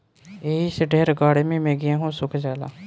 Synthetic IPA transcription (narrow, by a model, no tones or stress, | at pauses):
eːisəɖeːɾəkaːɽmiːmẽːɡɪjẽːɦõːsʊkʰd͡ʒaːla̰ː